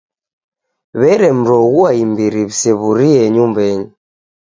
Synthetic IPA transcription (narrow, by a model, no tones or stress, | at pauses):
βɛɾɛm̩ɾɔɣuaimbiɾiβisɛβuɾiɛɲumbɛɲu